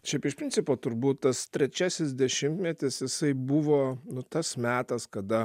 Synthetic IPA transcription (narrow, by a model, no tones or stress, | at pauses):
ʃʲɛɪpɪʃpʲɾʲɪnʲt͡ssʲɪpoːt̪ʊɾbuːt̪t̪ɐst̪ʲɾʲɛt͡ʃʲæsʲɪsd̪ʲɛʃʲɪmt̪mʲɛt̪ʲɪsjɪsɐɪbuʋoːnʊt̪ɐsmʲæːt̪ɐskɐd̪ɐ